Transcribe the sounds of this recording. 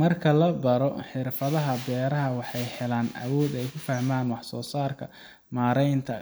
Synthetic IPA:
mɐrkʰɐlɐbɐɾɔħɪrfɐðɐɦɐbɛːɾɐɦɐwɑħɑjhɛlaːnʔɐ̰wɔːd̪ɛjkʰʊfɐhmaːnwɑħsɔːsaːrkʰɐ | maːɾɛjnt̪ʰɐ

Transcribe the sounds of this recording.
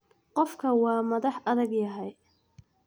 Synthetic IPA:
qɔfkʰɐwɑːmɐðɑħʔɐðɐɡjɐɦɛj

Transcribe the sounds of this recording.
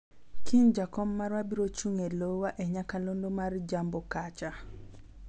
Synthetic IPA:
kʰind͡ʒakɔmːaɾwabiɾot͡ʃuŋelowaʔeɲakalondomard͡ʒambokat͡ʃa

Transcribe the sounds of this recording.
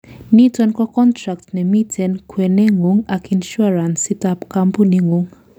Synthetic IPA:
nitɔnkɔkɔntɹak̚tnɛmitʰɛnkʰwɛnɛŋuŋakinʃuaɹansitapkampuniŋuŋ

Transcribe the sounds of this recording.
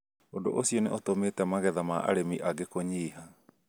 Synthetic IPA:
odoʔosionɛʔotometɛamaɣɛðamaʔa̰ɾemiʔaɡekoɲiːɦa

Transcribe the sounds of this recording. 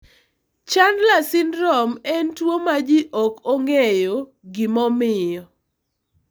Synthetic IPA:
t͡ʃandlasɪnɾɔmɛntwomad͡ʒiʔɔkoŋejo | ɡɪmɔmɪjɔ

